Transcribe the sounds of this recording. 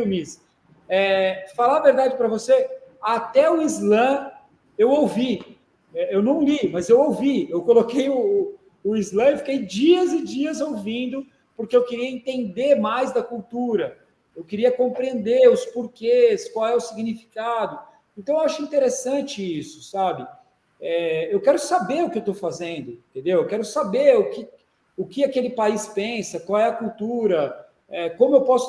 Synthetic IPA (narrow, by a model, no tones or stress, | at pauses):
mis | ɛfalaveɾd̪ad͡ʒɪpɾɐvoseat̪ɛʊizlɐ̃ | ewowvi | ɛewnɐ̃w̃limɐzewowviewkolokejʊː | izlɐ̃ɪfi̥kejd͡ʒiɐzɪd͡ʒiɐzowvĩnd̪ʊ | pʊɾkeewkɪɾiɐẽnt̪ẽnd̪eɾmajzd̪ɐkuwt̪uɾɐ | ewkɪɾiɐkõpɾiẽnd̪eɾʊspoɾkeskwawɛʊsiɡnifi̥kad̪ʊ | ẽnt̪ɐ̃w̃ẽwaʃʊĩnt̪eɾesɐ̃nt͡ʃɪisʊ̥sabɪ | ɛewkɛɾʊsabeɾʊkɪewt̪owfazẽnd̪ʊẽt̪ẽnd̪ewewkɛɾʊsabeɾʊkɪ | ʊkɪakelɪpaispẽsɐkwawɛɐkuwt̪uɾɐ | ɛkõmʊewpɔsʊ